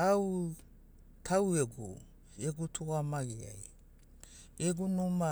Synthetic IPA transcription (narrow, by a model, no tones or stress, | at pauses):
aw | tʰaweɡṵ | eɡutʰuamaɡia̰j | eɡunuma